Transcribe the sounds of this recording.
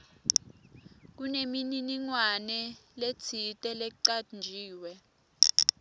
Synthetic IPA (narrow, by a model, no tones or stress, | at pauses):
k̬unemininiŋwanɛlet͡sʰitʼɛlɛǀand͡ʒʱiːwɛ